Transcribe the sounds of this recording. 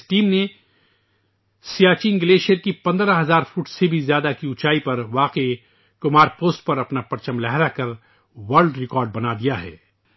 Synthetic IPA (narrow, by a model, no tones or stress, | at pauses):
ʈiːmne | sijaːt͡ʃiːnɡɪleːʃijəɾkipɐ̃nd̪ɾaɦɐzaːɾfuːʈsebʱizjaːd̪akiʊt͡ʃaːipɐɾʋaːqee | kʊmaːɾpoːsʈ̚pɐɾɐpnapɐɾt͡ʃəmlɛɦɾakɐɾ | ʋɐɾlɖɾɪkɔːɾɖ̚bɐnad̪ijaɦɛ̰ː